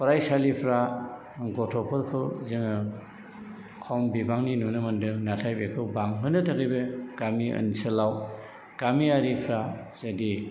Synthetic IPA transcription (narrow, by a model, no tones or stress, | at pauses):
pʰɔɾajsalipʰɾa | ŋɡʰɔtʰɔpʰɯɾkʰɯwzɯŋɯ | kʰɔmbibaŋninunɯmandɯknatʰajbekʰɯwbaŋɦɯnɯtʰaɡɯjbeɡ̥amiɐ̰nsɯlaw | ɡ̥amiaɾipʰɾazadi